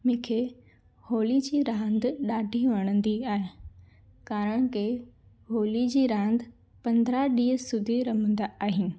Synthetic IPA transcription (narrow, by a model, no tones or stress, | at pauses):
mɪ̃kʰe | hoːlid͡ʑiːɾãːnd̪ɗaːɖʱiʋɐɽ̃ə̃nd̪iaːɦe | kaːɾəɽ̃ke | ɦoːlid͡ʑiːɾãːnd̪ | pɐ̃nd̪ɾaɗiːəsʊd̪ʱiɾɐmə̃nd̪aːɦiːn̆